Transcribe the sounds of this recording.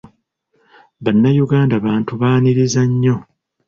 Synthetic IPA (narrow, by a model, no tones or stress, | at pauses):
βanːajuɡaːndaβaːntuβaːniɾizaɲːo̞